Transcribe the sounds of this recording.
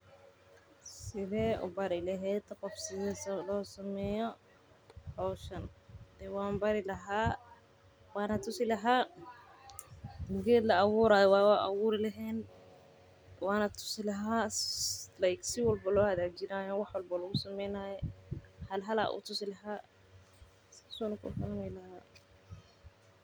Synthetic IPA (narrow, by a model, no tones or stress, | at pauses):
sɪðɛːʔʊ̰bɐɾɪlɐɦɛːt̪qɔfsɪðɛːslɔːsɐmɛːjɔ | ʔɔːʃɐnd̪̥ɛwaːmbɐɾɪlɐɦaː | wɑːnɐt̪ʰʊsɪlɐɦaː | mʊɡɛːd̪lɐɑwuːɾaːjɔwaːwʔɐ̰wuːɾɪlɐɦɛːn | waːnɐt̪ʰʊ̥sɪlɐɦaː | lajksɪwɐlbɐlɔːhɐðaːt͡ʃɪnaːjɔwɑħwɐlbɐlʊɣʊsɐmɛjnaːjɔhɐlɦɐla̰ʔṵːt̪ʰʊsɪlɐɦaː | ssɔnɐkʊ̰famɛlɐhaː